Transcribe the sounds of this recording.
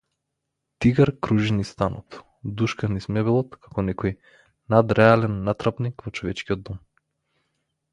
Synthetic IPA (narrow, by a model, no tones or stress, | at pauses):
t̪iɡaɾkɾuʒinist̪anɔt̪ | d̪uʃkanismɛbɛlˠɔt̪kʰakɔnɛkɔj | nad̪ɾɛalɛnːat̪ɾapnikvɔt͡ʃɔvɛt͡ʃkiɔd̪ːɔm